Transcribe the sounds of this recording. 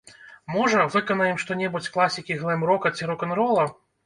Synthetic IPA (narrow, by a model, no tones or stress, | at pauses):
mɔʐɐvɨkɐnɐjimʂt̪ɔnʲɛbut͡sʲklˠasʲikʲiɣlˠɛmɾɔkɐt͡sʲiɾɔkɐnɾɔlˠɐ